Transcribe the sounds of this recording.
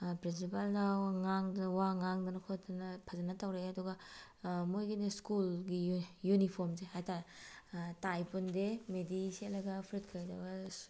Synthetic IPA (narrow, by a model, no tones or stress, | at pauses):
pɾinsipaldɐŋaŋdwaŋaŋdɐnɐkʰot̚dɐnɐpʰɐzanɐtawɾeɐduɡɐ | mojɡineskulɡijunipʰoɾmsehajtaɾa | tajpundemedisiɐlɐɡɐpʰɾitkʰɐjdɐɡas